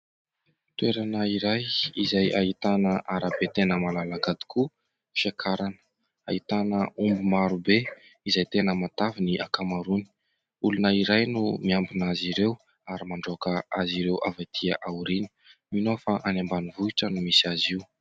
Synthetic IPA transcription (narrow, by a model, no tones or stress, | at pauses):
t̪weɾanəiɾajizajaɦit̪anəʔaɾabet̪enəmalalakad̪i̥kʰu | fakʰaɾanə̥ | ait̪anəumbumaɾube | izajt̪enəmat̪aviniʔakamaɾuni̥ | ulunəiɾajnumiambinaziɾew | aɾimaɳɖ͡ʐokəaziɾewʔa̰vat̪ʰiaʔawuɾinə̥ | minofaʔanambanivuiʈ͡ʂənumisiaziw